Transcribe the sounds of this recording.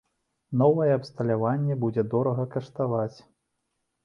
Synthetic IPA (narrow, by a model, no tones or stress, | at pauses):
nɔvɐjɛɐpst̪ɐlʲavanʲːɛbud͡zʲɛd̪ɔɾɐɣɐkɐʂt̪avat͡sʲ